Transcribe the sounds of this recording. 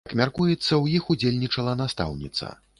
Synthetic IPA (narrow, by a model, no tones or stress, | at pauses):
ɐkmʲarkujɛt̪sːɐwjixud͡zʲelʲnʲit͡ʂɐlˠɐnast̪a̰wnʲḭt̪sɐ̰